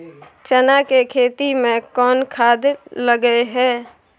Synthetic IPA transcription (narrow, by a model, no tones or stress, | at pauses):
t͡ʃənakekʰeːt̪imẽkɔːnkʰaːd̪ləɡəeɦɛː